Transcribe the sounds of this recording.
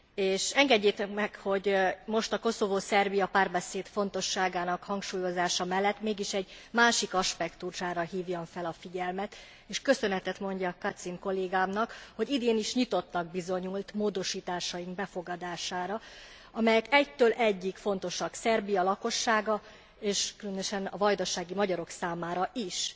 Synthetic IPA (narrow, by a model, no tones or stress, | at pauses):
eːʃɛŋɡɛɟːeːt̪ɛkmɛkho̞ɟmo̞ʃt̪ɒko̞so̞voːsɛrbijɒpaːrbɛseːt̪fo̞n̪t̪o̞ʃːaːɡaːnɒkhɒŋkʃuːjo̞zaːʃɒmɛlːɛt̪ːmeːɡiʃɛɟmaːʃikɒʃpɛkt̪uʃaːɾɒɦiːvjoɱfɛlɒfiɟɛlmɛt̪ | eːʃkø̞sø̞nɛt̪ɛt̪mo̞ɲɟɒkɒt̪siŋko̞lːeːɡaːmnɒkho̞ɟid̪eːniʃɲit̪o̞t̪nɒɡ̚bizo̞ɲult̪moːd̪o̞ʃiːt̪aːʃɒjiŋɡbɛfo̞ɡɒd̪aːʃaːɾɒ | ɒmɛjɛkɛct̪øːlʔɛɟːikfo̞n̪t̪o̞ʃɒksɛrbijɒlɒko̞ʃːaːɡɒ | eːʃkylønøʃɛnɒvɒjd̪oʃːaːɡimɒɟɒɾo̞ksaːmaːɾɒʔiʃ